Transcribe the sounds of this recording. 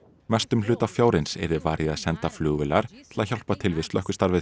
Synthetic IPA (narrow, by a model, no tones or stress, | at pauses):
mɛst̪ʏml̥ʏːt̪afjaːwɾɪnsɛ̰ɾðɪvaːɾjɪaðsɛnt̪aflʏːɣvɪlaɾ̥t̪ʰɪlaçawl̥pat̪ʰɪlvɪst̪œhkʏst̪aɾvɪ